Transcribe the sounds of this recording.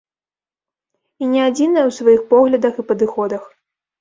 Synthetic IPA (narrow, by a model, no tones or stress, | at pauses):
inʲɛad͡zʲinɐjɛwsvajixpɔɣlʲɐd̪ɐxipɐd̪ɨxɔd̪ɐx